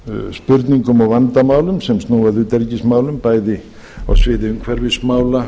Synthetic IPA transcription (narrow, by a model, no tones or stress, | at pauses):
spʏɾt̪niŋkʏmawvant̪amaːwlʏmsɛmst̪nuːvaðʏːt̪ɛɾcismaːwlʏmpaːjðɪ | a̰wsvɪðɪʏŋkʰvɛɾvɪsmaːwla